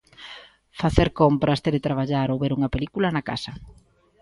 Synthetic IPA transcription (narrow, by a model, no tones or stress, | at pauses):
faθeɾkompɾɐst̪eɾɪt̪ɾaβ̞aʎaɾowβeɾuŋɐpelikulɐnaka̰sɐ